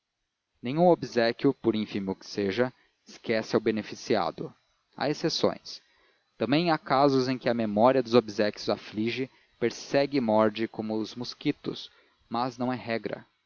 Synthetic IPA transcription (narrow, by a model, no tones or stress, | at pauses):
nẽj̃ũobizɛkʲjʊpʊɾĩfĩmʊkɪ̥seʒɐ | ɪskɛsɪawbenefisia̰d̪ʊ | a̰esesõ̰j̃s | t̪ɐ̃mbẽj̃akazʊzẽj̃kɪɐmemɔɾiɐd̪ʊzobizɛkʲjʊzafliʒɪ | peɾsɛɡɪmɔɾd͡ʒɪkõmʊzmuskit̪ʊ̰s | mɐznɐ̃w̃ɛɦɛɡɾɐ̰